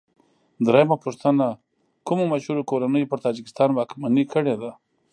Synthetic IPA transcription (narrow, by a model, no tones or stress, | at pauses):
d̪ɾɑjmapʊʂt̪əna | kumomaʃhuɾokoɾanəjpəɾt̪ɑd͡ʒɪkɪ̥st̪ɑnwɑkmanikəɽed̪a